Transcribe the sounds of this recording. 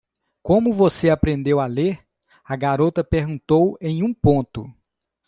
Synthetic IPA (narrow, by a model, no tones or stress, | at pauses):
kõmʊvoseapɾẽnd̪ewaleɾ | ɐɡaɾot̪ɐpeɾɡũnt̪owẽj̃ũpõt̪ʊ̰